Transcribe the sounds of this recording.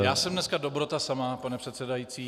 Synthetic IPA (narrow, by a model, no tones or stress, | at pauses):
jaːsɛmdnɛskadobɾot̪asamapanɛpr̝̥ɛt̪sɛdajiːt͡siː